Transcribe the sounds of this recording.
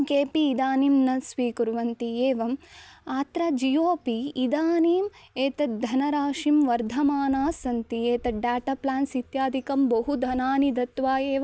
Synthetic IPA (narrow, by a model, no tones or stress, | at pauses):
keːpiːd̪aːnimnɐsʋiːkuɾʋɐnt̪ieːʋɐmaːt̪ɾad͡ʒijoːpiːd̪aːniːmeːt̪ɐd̪ʱɐnɐɾaːʂimʋɐɾd̪ʱɐmaːnaːsɐnt̪ieːt̪ɐɖaːʈaplaːnsit̪jaːd̪ʱikɐmbɐɦud̪ʱɐnaːnid̪ɐt̪ʋaːjeːʋɐ